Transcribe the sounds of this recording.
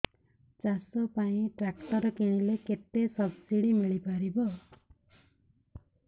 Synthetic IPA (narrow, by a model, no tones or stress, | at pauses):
t͡ʃasɔpaĩʈɾakʈɔɾɔkiɽ̃ileket̪esɔbsiɽimiɭipaɾibɔ